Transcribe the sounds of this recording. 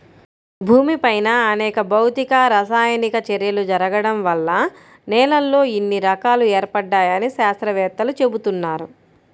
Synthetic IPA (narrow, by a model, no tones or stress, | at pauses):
bʱuːmipɐjnɐːnɛːkɐbɐwt̪ikɐɾɐsaːjɐnikɐt͡ʃeɾjɐlud͡ʒɐɾɐɡɐɽɐmʋɐlːɐ | nɛːlɐlːo̞ːinːiɾɐkaːluɛːɾpɐɖːaːjɐniʃaːst̪ɾɐʋɛːt̪ːɐlut͡ʃe̞but̪unːaːɾu